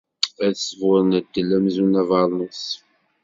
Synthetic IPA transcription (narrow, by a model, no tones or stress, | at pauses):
æðsəvʊɾˤnəd̪ːəlːæmzunævɑlˤnus